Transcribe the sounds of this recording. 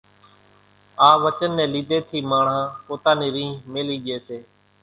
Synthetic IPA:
aːʋət͡ʃənːɛ̃ːliːd̪eːt̪ʰiːmaːɳ̤ãːpoːt̪ãːniːɾĩːmeːliːɠeːseː

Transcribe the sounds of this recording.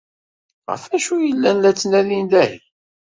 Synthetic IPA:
ʁə̰fæʃujəlːænlæt͡sːnæðind̪æj

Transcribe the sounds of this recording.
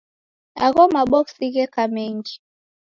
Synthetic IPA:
a̰ɣɔmaɓɔksiɣɛkamɛŋd͡ʒi

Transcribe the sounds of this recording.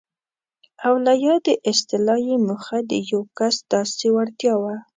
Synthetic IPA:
awlajɑd̪əʔɪst̪ɪlɑjemuxad̪əjawkasd̪̥ɑsewaɽt̪jɑwa

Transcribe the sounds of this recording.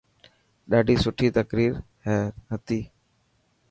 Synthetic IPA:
ɗaːɖʱiːsʊʈʰiːt̪əkɾiːɾ | hɛɦət̪iː

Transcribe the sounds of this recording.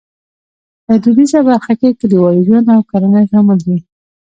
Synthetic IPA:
pəd̪ud̪izabaɾxakekəd̪əwɑjɡonawkaɾanajʒaməld̪i

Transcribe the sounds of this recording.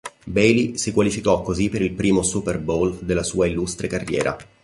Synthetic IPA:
bɛjlisikwalifikɔkːozipːeɾilpɾiːmosuperbold̪elːasuːailːust̪ɾekarːjɛ̰ːɾʔa̰

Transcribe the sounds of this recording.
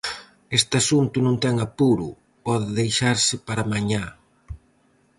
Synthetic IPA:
est̪ɪasunt̪ʊnõŋt̪ɛŋapuɾʊ | pɔðɪðejʃaɾsɪpaɾamaɲa

